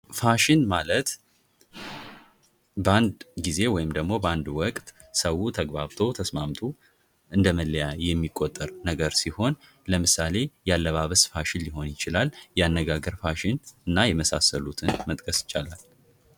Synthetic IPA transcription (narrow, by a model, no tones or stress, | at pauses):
faʃɪnmalət̪ | bəand̪ɡize̞wɔjɪmd̪əɡmo̞bəand̪wɔkʼt̪ | səwut̪ʰəɡbaβt̪ʰo̞t̪ʰəsmamt̪ʰo | ʔɨnd̪əməlːəjajɛmːikʼːot̪ʼːəɾnəɡəɾsiho̞n | ləmɨsale̞jalːəβaβəsfaʃɪlːɪɦo̞njɪt͡ʃɪlaljɛanːəɡaɡəɾfaʃɪnɨnːajɛməsa̰səlut̪ʰɨnmət̪ʼkʼʰəsjɪ̥t͡ʃːalal